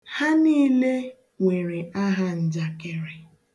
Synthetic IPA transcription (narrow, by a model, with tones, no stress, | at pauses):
ha˦niː˦le˦ | ŋʷe˨ɾe˨a˦ɦa˦n̩˨d͡ʒa˨ke˨ɾe˨